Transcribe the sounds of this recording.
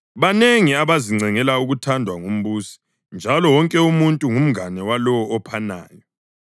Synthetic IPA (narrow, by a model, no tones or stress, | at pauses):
βaneŋiaβaziŋ͡ǀʱɛŋɛlauɣutʰandʱwaŋom̩βuːsi̥ | nd͡ʒʱalɔwɔŋkʼɛumuntʼuŋum̩anɛwalɔwɔːpʰana̰ːjɔ